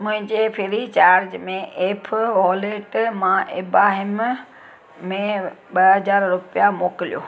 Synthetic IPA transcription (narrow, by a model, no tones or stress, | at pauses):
mʊ̃ɦɪ̃ɲd͡ʑepʰɪɾit͡ɕaːɾd͡ʑmẽʔeːpʰʋɔːleʈmãʔɪbaːɦɪm | mẽɓɐɦɐzaːɾɾʊpijamoːkɪlijo̰ː